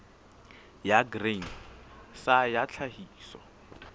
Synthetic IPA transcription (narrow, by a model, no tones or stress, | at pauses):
jaɡreŋ | sajat͡ɬʰahiːsɔ̰